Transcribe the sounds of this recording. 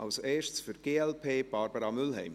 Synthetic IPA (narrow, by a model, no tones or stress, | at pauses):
ʔɑlseːʃt͡sfyɾɡ̥eːɛlpʰeːb̥ɑːɾbəɾɑmʏlɦɛ̰ɪm